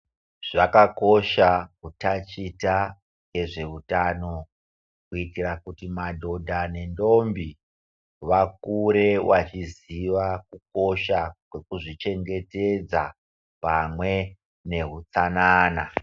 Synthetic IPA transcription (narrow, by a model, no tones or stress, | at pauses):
ʐ̥akako̞ʃakutat͡ʃita | je̞ʐe̞utano̞ | kuitirakutimadʱo̞dʱane̞ndo̞mbi | ʋak̚uɾe̞wat͡ʃiziʋakuk̚o̞ʃakwe̞kuʐit͡ʃe̞ŋɡe̞te̞d͡za | pamwe̞ | ne̞ɦut͡sanaːna